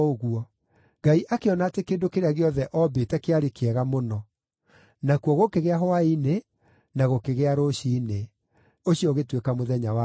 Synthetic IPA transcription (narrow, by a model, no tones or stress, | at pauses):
oɣuɔ | ɡaiʔakeɔnaːtekeːndokeɾeaɣeɔðɛʔɔbetɛkeaɾekeɛɣamonɔ | nakuwɔɣokeɣeaɦɔaine | naɣokeɣeaɾoɕiːne | oɕiɔɣetwekamoðɛɲawa